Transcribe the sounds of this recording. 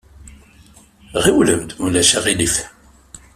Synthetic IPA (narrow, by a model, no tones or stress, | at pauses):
ʁiwləmd̪mulæʃæʁilif